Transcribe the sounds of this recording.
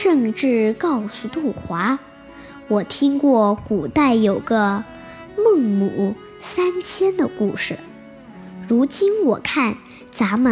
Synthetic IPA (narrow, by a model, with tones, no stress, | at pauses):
ʂɤ˥˧ŋʈ͡ʂɻ̩˥˧kɑ˥˩ʊsu˨˩t̪u˥˩xwa˧˥ | wɔ˨˩t̪ʰi˥ŋkwɔ˥˩ku˨˩t̪a˥˩ɪjo˨˩ʊɡə˦ | mɤ˥˩ŋmu˨˩˦ | sa˥nt͡ɕʰjɛ˥nd̪ə˨ku˥˧˩ʂɻ̩˩ | ɻu˧˥t͡ɕi˥nwɔ˨˩kʰa˥˩n | t͡sa˧˥mə˨˩